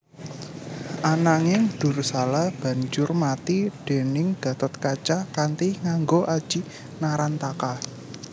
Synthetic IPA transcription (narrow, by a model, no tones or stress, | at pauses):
ʔanaŋɪŋɖ̥ṳrsalahb̥ä̤ɲd͡ʒʊrmat̪id̥e̤nɪŋɡ̥a̤t̪ɔt̪̚kat͡ʃakant̪iŋaŋɡoʔad̥ʒ̥i̤ | naɾant̪aka